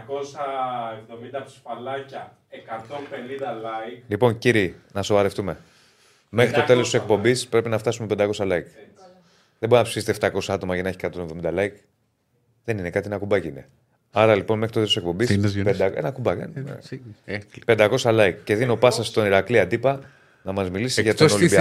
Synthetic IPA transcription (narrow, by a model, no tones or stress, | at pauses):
ko̞sɐevðo̞mind̪ɐfi̥spɐlɐcɐ | ekɐt̪onpe̞nind̪ɐlɐiklipo̞nciɾinɐso̞vɐɾe̞ft̪ume̞ | mexxɾit̪o̞t̪e̞lo̞st̪isek̚po̞mbispɾe̞pinɐft̪ɐsume̞pend̪ɐko̞sɐlɐjk | ðembo̞ɾinɐpsiset̪eft̪ɐko̞sɐɐt̪o̞mɐʝɐnɐe̞çi̥kɐt̪onevðomind̪ɐlɐjk | ðe̞nine̞kɐt̪ienɐkubɐciine̞ | ɐɾɐlipo̞nmexɾtot̪essekpo̞mbisped̪ɐḛnɐkubɐkḛ | pe̞nd̪ɐko̞sɐlɐjkce̞ðinopɐsɐst̪o̞niɾɐkliɐt̪ipɐ | nɐmɐzmilisiʝɐt̪onolibiɐ